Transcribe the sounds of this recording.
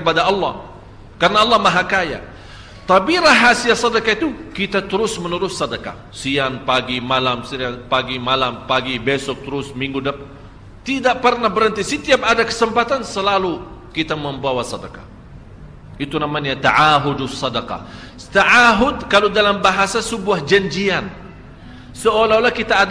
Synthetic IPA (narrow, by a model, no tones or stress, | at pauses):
əpadaɑlːɑ̰h | karənaɑlːɑmaɦakaja̰ | t̪abiɾaɦasiasɑdakait̪ukit̪at̪əɾʊsmənəɾʊsːɑdaka̰ | siaŋpaɡimalamsiapaɡimalampaɡibɛsɔk̚t̪əɾʊsmiŋɡudap | t̪idaʔpərnahbəɾənt̪isət̪iap̚adakə̥səmpat̪ansəlalukit̪aməmbawasɑdaka̰ | it̪unamaɲat̪aʕaɦʊdsːɑdakɑ̰ | t̪aʔaɦʊdkalodalambaɦasasəbuahd͡ʒaɲd͡ʒian | səolaolahkit̪aː